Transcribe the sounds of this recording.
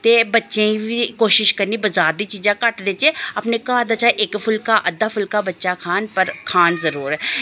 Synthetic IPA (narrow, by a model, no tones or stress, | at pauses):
t̪eːbətːʃẽbikoːʃɪʃkəɾnibɐzaːɾd̪it͡ʃiːzãːkɐʈd̪eːt͡ʃeɐpnekad̪at͡ʃaːʔɪkpʰʊlkaʔəd̪ːaːpʰʊlkabɐtːʃakʰaːnpəɾkʰaːnzəɾuːɾɦɛː